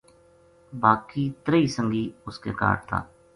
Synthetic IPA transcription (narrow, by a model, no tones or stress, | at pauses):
baːkiːt̪ɾəiːsə̃ŋɡiːʊskḛːka̰ːʈ̚t̪ʰa̰ː